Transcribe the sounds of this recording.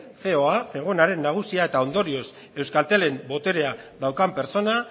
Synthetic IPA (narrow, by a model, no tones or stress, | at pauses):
fe̞o̞afe̞ɣ̞o̞naɾe̞nːaɣ̞usiae̞t̪ao̞nd̪o̞ɾio̞s | e̞wskalt̪e̞le̞mbo̞t̪e̞ɾe̞aðawkampe̞ɾt͡so̞na